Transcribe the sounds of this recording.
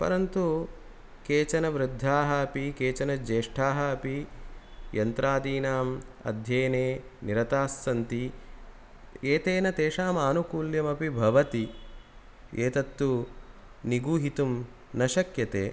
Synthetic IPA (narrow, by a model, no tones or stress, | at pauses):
pɐ̰ɾɐnt̪u | keːt͡ʃɐnɐʋɾɪd̪ʱːaːɦɐːpikeːt͡ʃɐnɐd͡ʒeːʂʈʰaːɦɐːpi | jɐnt̪ɾaːd̪iːnaːmɐ̰d̪ʱjeːneː | niɾɐt̪aːsːɐnt̪i | eːt̪eːnɐt̪eːʂaːmaːnukuːljɐmɐpibʱɐʋɐt̪i | eːt̪ɐt̪ːu | niɡuːɦit̪umnɐʃɐkjɐt̪ḛː